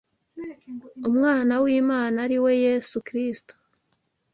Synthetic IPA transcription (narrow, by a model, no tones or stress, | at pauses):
umŋaːnawiːmaːnaɾiwe̞jesukɾisto̥